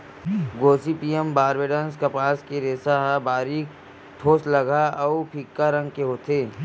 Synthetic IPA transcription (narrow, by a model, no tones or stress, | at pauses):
ɡoːsipiːembaːɾʋeːɖə̃nskɐpaːskeɾeːsaɦabaːɾiːk | ʈʰoːslɐɡʱaɔʊpʰikːaɾə̃ŋɡkeɦoːt̪eː